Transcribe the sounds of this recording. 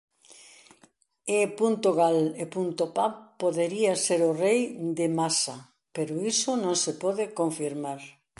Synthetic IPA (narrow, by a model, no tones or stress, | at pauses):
epunt̪oɣalepunt̪opapːoðeɾiaseɾʊrejd̪emasa | peɾʊisʊnõŋsepɔðɪkoɱfiɾmaɾ